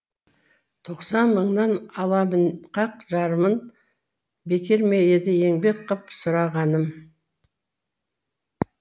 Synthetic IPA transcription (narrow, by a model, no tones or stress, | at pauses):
t̪ʰo̞qsɑnməɴnɑnɑlˠɑmənqʰɑq̚ʒɑɾəmən | be̞kʲe̞ɾmejed̪ɪje̞ŋbe̞k̚qʰːəpsʊɾɑʁɑnəm